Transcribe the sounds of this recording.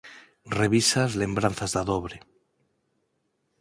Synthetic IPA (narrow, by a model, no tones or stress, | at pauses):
reβ̞isazle̞mbɾan̟θazðaðoβɾe